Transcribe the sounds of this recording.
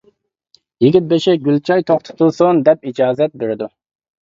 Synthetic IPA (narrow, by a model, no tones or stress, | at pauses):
jɪɡʲit̪̚beʃɛɡʲylt͡ʃʰɑjt̪ʰoχt̪ʰʊ̥t̪ʰulˠsʊnd̪ɛp̚id͡ʒɑːzɛt̪̚beɾɪd̪u